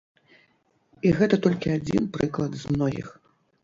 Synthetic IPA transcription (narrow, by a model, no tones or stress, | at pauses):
iɣɛt̪ɐt̪ɔlʲkʲiad͡zʲḭnpɾɨklˠɐd̪zmnɔɣʲḭx